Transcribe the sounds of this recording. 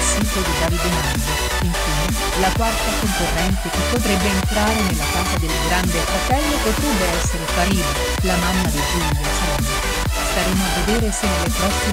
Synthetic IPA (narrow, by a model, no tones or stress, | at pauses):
siːt̪od̪id̪aːvid̪emand̪e | iɱfiːne | lakwart̪akoŋkorːɛnt̪ek̟epːot̪̬ɾebːeːnt̪ɾaːɾenelːakaːzad̪elːeɡɾand̪efɾat̪ɛlːepot̪ɾebːeɛsːeɾefaɾiːno | lamamːad̪ed͡ʒuɲesa | e | st̪aɾeːmoavːed̪eːɾesenelepɾɔsi